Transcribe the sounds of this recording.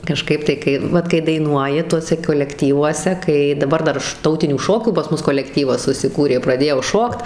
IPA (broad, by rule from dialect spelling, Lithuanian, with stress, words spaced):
kɐˈʃkɐɪp tɐɪ ˈkɐɪ ˈʋɐt kɐɪ dɐɪˈnuɔjɪ ˈtuɔsʲɛ koːlʲɛkˈtʲiːʋuɔsʲɛ ˈkɐɪ dɐˈbɐr ˈdɐr ʃ ˈtɐʊtʲɪnʲuː ˈʃoːkʲuː pɐs ˈmʊs koːlʲɛkˈtʲiːʋɐs sʊsʲɪˈkuːrʲeː prɐˈdʲeːjɛʊ ˈʃoːkt